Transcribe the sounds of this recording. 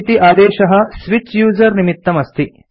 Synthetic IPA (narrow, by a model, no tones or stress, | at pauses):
t̪iʔaːd̪eːʃɐɦɐ̆sʋit͡ʃjuːzɐɾnimit̪ːɐmɐst̪ʰi